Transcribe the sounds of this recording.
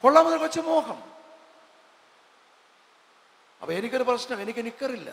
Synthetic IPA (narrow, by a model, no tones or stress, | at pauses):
koɭːaːmɐnɐɾkot͡ɕːɐmoːkɐm | ɐ̰pːoenikʲːoɾuprɐɕnɐmenikʲːenikʲːɐrilːɐ̰